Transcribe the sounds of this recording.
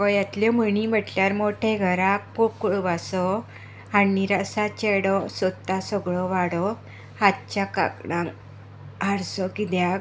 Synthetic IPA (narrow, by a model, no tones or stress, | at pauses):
kɔjat̪lɔmənibəʈljaɾmoʈʰeɡʱəɾãk̚pokuɭʋasɔ | aːiɾasat͡ɕɛɽɔsɔd̪asəɡɭɔʋaɽɔ | hat̪̚t͡ɕaka̰kɽã | aɾsɔkid̪ja